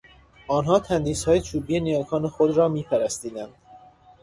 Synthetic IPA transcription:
ʔɒːnɦɒːt̪ʰænd̪iːshɒːjet͡ʃʰuːbiːenijɒːkʰɒːnexod̪ɾɒːmiːpʰæɾæst̪iːd̪ænd̪̥

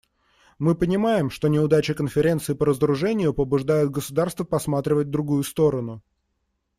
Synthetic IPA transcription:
mɨpənʲɪmajɪmʂt̪o̞nʲɪʊd̪at͡ɕɪkənfʲɪɾʲe̞nt̪sɨɪpəɾəzəɾʊʐɛnʲɪjʊpəbʊʐd̪ajʊd̪̚ɡəsʊd̪arst̪vəpɐsmat̪ɾʲɪvət̚ʲd̪ɾʊɡujʊst̪o̞ɾənʊ

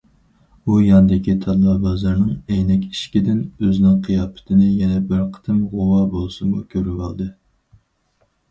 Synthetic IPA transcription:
ujɑnɨd̪ɪkʲit̪ʰɑlːˠɑbɑzɑɾnɨŋejnɛkʲi̥ʃkʲid̪ɪnøznɪŋqʰijɑːpʰɪ̥t̪ʰɪnɪjɛnɛbɪɾqʰə̥t̪ʰɨmʁowɑːbolˠsumṵkʲʰøɾywɑ̰lˠd̪ɨ

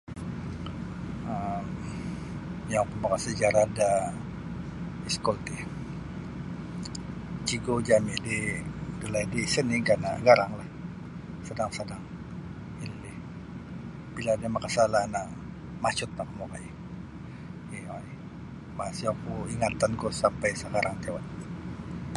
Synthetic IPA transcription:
əm | jaŋkəmakasəd͡ʒaɾada | iskɔlt̪i | t͡ʃiɡod͡ʒamididəlaidisəniɡana̰ɡaɾaŋlah | sədaŋsədaŋ | ilːih | b̥iladamakasalana | mat͡ʃʊt̪̚pakəmokaj | ia | masiakuiŋat̪ankɔsampajsəkaɾaŋt̪ewat̪

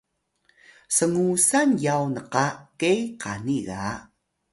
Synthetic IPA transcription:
səŋusanjawnəqakejqaniɣa

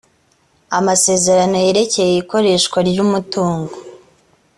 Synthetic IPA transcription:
amase̞ːze̞ɾano̞je̞ɾe̞ce̞jeiko̞ɾe̞ːʃkwaɾɟuːmutuːŋɡo

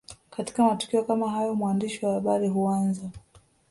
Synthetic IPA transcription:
kati̥kamatu̥kiɔkamaɦajɔmwandiʃiwahaɓaɾiɦuanza

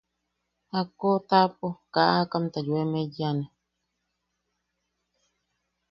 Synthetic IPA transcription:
hakot̪ap̚ʼokaʔakamt̪ajwemejane

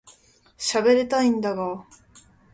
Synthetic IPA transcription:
ɕabeɾet̪aĩnd̪aɡa

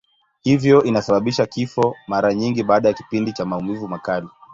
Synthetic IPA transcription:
hivjɔʔinasaɓaɓiʃakifɔmaɾaɲiŋɡiɓaːɗajaki̥pindit͡ʃamaumivumakali

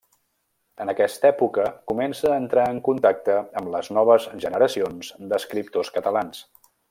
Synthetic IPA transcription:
ənəkɛst̪əɛpukəkumɛnsəːnt̪ɾaəŋkunt̪ak̚t̪əəmləznɔβ̞əzʒənəɾəsionzd̪əskɾip̚t̪oskət̪əlans

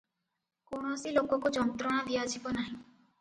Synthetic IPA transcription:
koɽ̃ɔsilokɔkud͡ʒɔnt̪ɾɔɽ̃ad̪ijad͡ʒʰibɔnaɦĩ

